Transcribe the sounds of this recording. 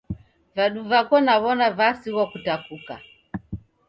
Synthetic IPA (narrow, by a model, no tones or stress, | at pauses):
vaɗuvakɔnaβɔnavasiwakutakuka̰